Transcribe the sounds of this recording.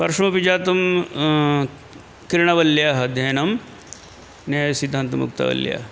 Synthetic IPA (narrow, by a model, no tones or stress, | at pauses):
pɐɾʂɐmɐpid͡ʒaːt̪um | kiɾɳɐʋɐljaɦɐd̪ʱjɐnɐm | nɐsid̪ʱːaːnt̪ɐmṵkt̪ɐ̰ʋɐ̰lja̰